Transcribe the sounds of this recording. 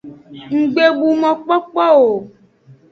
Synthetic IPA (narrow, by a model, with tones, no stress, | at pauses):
ŋ̩˨ɡ͡be˨ɡ͡bu˨mɔ̃˨k͡pɔ˦k͡pɔ˦o˨